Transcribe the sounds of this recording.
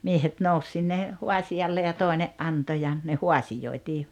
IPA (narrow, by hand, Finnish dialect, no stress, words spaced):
miehet nous sinːe huɑsiɑlːe jɑ toˑi̞neʔ ʔɑnto jɑ ne huɑsijoitiː